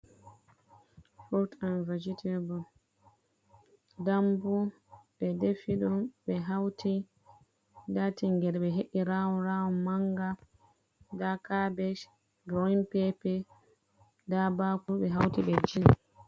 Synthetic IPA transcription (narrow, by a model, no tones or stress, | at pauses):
fɔɾtanvad͡ʒitʰibɔ | dambu | ɓɛdefiɗɔɓɛɦawtʰi | datiŋɡɛɾɓɛɦeʔiɾawɔnɾawɔnmaŋɡa | dakabɛʃ | ɡɔinpɛpɛ | dabakuɓɛɦawtiɓɛd͡ʒin